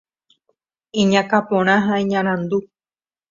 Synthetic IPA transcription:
ĩɲãkapõɾ̃ãɦaĩɲãɾ̃ãnd̪u

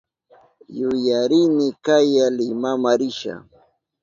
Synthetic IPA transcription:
jʊjaɾɪnɪkajalɪmamaɾɪʃa̰

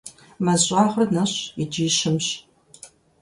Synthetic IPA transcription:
mɐzʷʼaːʁrnɐɕɪd͡ʒiːʃɪmɕ

